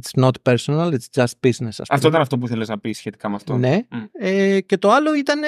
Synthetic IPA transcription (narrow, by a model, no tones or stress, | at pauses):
t̪snot̪peɾsonɐlit̪sd͡ʒɐst̪̚b̥iznesɐ̰sɐ̰ft̪oit̪ɐnɐft̪o̞p̬uiθeleznɐpisːçet̪i̥kɐmeɐft̪one̞ece̞t̪o̞ɐlo̞it̪ɐn